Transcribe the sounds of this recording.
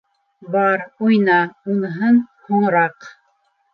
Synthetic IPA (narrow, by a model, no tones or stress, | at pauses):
bɑɾujnɑunɤ̆ɦɤnhŏɴɤ̆ɾɑq